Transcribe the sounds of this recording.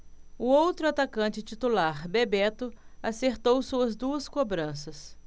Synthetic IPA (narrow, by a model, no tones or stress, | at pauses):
ʊowt̪ɾʊat̪akɐ̃nt͡ʃɪt͡ʃit̪ulaɾbebɛt̪ʊaseɾt̪owsuɐzd̪uɐskobɾɐ̃sɐs